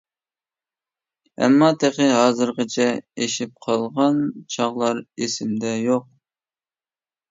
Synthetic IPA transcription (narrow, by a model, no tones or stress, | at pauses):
ɛ̰mːɑt̪ʰeχɪɦɑːzɨɾʁɑt͡ʃʰɛeʃip̚qʰɑlˠʁɑnt͡ʃʰɑʁlˠɑɾesɪmd̪ɛjoq̚